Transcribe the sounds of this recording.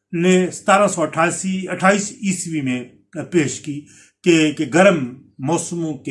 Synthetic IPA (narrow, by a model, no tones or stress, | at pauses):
nẽsə̥t̪aːɾãsɔːəʈʰaːsiəʈʰaːiːsiːsʋimẽ | peːʃkiː | kekeɡəɾəmː | ɔːsmõːke